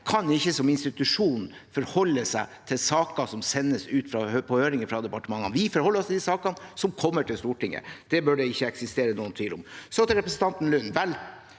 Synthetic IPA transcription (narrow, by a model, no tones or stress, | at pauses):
kʰɑnɪçːəsɔmɪnst̪ɪt̪ʉʂuːnn̩ | fɔɾhɔlːəsæɪt̪ʰɪlsɑːkɑsɔmsɛnːəsʉːt̪fɾɑøpʰɔhøːɾɪŋəfɾɑd̪ɛpɑʈəmɑŋːɑnʋɪfɔɾhɔlːɔst̪ʰd̪isɑːkɑnsɔmkʰɔmːəʈʰɪlst̪uːʈɪŋːə̰d̪̥ɛbøːɖɛɪçːəɛksɪst̪eːɾənuːənt̪ʰʋiːlɔmsɔt̪ɾɛpɾəsn̩t̪ɑnt̪n̩lʉnːʋɛl